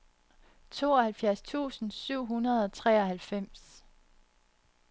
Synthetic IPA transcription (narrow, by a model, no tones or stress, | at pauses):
t͡sʰo̝ːɒ̽hælfjæɐst͡sʰṵːsn̩syʊ̰ɦunɐð̞̩ˠɒ̽t͡sʰʁɛ̰ːɒ̽hælfem̰s